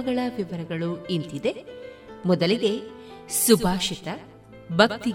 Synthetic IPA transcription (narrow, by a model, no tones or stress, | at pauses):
ɐɡɐɭɐʋiʋɐɾɐɡɐɭuint̪id̪e̞ | mɔd̪ɐliɡe̞subʱaːʃit̪ɐ | bʱɐkt̪i